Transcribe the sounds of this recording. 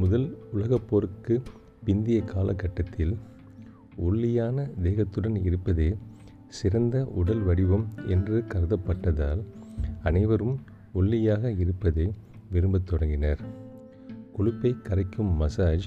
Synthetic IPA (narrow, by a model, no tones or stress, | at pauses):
mʊðɐlʊlɐɣɐpːoːɾɯkːɯ | pɪnd̪ɪjɐkʰːaːlɐkːɐʈːɐt̪ʰːɪl | ɔɭːɪjaːnɐd̪eːɣɐt̪ːɯɽɐnɪɾɯpːɐðeː | sɪɾɐnd̪ɐʔʊɽɐlʋɐɽɪʋɐmɛndrɯkɐɾɐðɐpːɐʈːɐðaːlɐnɐɪʋɐɾɯm | ɔɭːɪjaːɣɐɪɾɯpːɐðeː | ʋɪɾɯmbɐt̪ːɔɽɐŋɡɪnɐɾ | kɔɻɪpːɐɪkɐɾɐɪkːɯmːɐsaːd͡ʒ